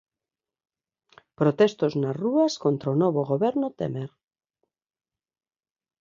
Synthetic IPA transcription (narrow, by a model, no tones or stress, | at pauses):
pɾot̪e̞st̪o̞znaruasko̞nt̪ɾonoβ̞oɣo̞βeɾnot̪ḛmeɾ